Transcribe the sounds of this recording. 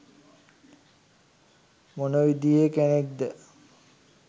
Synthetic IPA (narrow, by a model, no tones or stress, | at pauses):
monoʋid̪ijekænek̚d̪ə